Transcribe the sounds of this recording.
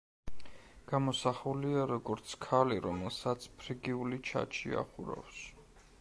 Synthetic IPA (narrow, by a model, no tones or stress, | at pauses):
ɡ̥amɔsaχuliaɾɔɡɔɾt̪sʰkʰaliɾɔmɛlˠsat̪sʰpʰɾiɡiulit͡ʃʰa̰t͡ʃʰḭa̰χuɾa̰fs